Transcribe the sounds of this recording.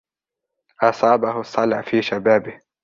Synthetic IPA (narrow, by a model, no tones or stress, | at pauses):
ʔɑsˤɑːbahʊsˤːɑlʕfiːʃabaːbɪh